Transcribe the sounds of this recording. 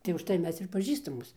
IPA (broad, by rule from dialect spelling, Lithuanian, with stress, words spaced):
tɐɪ ʊʃˈtɐɪ ˈmʲɛs ɪr pɐˈʒʲiːstɐmoːs